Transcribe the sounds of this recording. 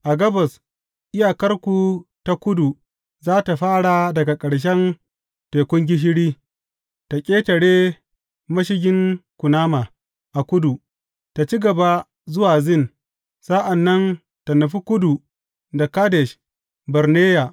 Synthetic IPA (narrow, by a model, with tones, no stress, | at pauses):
ʔa˨ɡɐ˦bɐ˨s | ʔɪ˦jaː˨kɐ˦rkʷu˨ta˦kʷʊ˦du˨ | zaː˦ta˨ɸaː˦ɽa˨dɐ˨ɡa˨kʼɐ˨ɽʃ̬ɛ˦n | teː˨kʷʊ˦ŋɡʲɪ˦ʃ̬ɪ˦ɽiː˦ | ta˨kʲʼeː˦tɐ˨ɽeː˦ | mɐ˦ʃ̬ɪ˦ɡʲɪ˦ŋkʷʊ˨naː˦ma˨ | ʔa˨kʷʊ˦du˨ | ta˨t͡ʃi˦ɡɐ˨ba˦ | zʊ˦waː˨zɪ˦n | sa˦ʔa˨nːɐ˦n | ta˨nɐ˨ɸi˦kʷʊ˦du˨ | da˨kaː˦dɛ˨ʃ | bɐ˨ɾneː˦ja˨